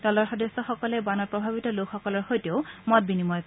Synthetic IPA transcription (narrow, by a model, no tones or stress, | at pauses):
dɔlɔɹxɔdesːɔxɔkɔlɛbanɔtpɹɔbʱabitɔlokxɔkɔlɔɹxojteʊmɔt̚binimɔj